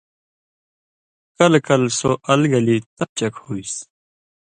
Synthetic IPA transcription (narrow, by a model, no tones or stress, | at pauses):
kɐlkɐlsoʔɐlɡɐlit̪ɐt͡ɕɐkhuis